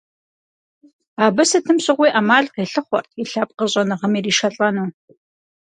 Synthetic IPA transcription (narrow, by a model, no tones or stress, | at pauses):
aːbɐsɐtʰɨmɕʼɪʁʷiːʔamaːɮqeːɬɨχʷɔ̰rtʰiɬaːp̚qəɕʼɐnɨʁɐmiːriːʃɐɬʼɐnuː